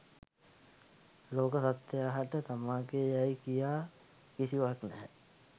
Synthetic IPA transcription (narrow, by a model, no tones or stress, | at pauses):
loːkəsat̪ːjaːɦaʈət̪amaːɡejajkijaː | kisiʋaknɛ